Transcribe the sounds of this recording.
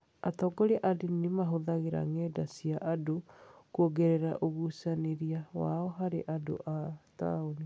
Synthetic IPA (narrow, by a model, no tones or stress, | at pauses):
atɔɡoɾeʔadinimaɦoðaɣeɾa̰ŋɛːdasiaʔadokuoɡeɾɛɾa̰ʔoɣusaneɾiawa̰ɔɦaɾeʔado̰ʔata̰oni